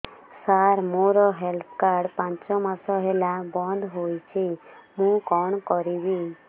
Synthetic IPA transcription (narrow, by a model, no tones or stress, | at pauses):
saɾmoɾɔɦelpʰkaɾɖpãnt͡ʃɔmasɔɦelabɔnd̪ʱɦojt͡ʃʰimũkɔɳ̃kɔɾibi